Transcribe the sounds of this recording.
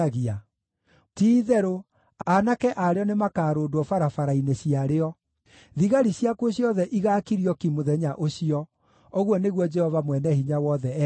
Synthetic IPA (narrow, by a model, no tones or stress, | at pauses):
ɣia | tiːðɛɾo | anakɛʔaɾeɔnemakaːɾoːdwɔfaɾafaɾaineɕiaɾeɔ | ðiɣaɾiɕjakoɕjɔðɛʔiɣakiɾiɔkimoðɛɲaʔoɕiɔ | oɣwɔneɣwɔd͡ʒɛhɔvamwɛnɛhiɲawɔðɛ